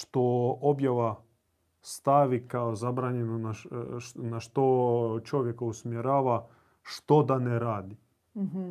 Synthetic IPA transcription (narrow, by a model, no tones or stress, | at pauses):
ʃt̪oobjaʋa | st̪aʋikaozabɾaːɲenona | naʃt̪ot͡ʃo̞ʋjekausmjeɾaːʋa | ʃt̪od̪aneɾaːd̪i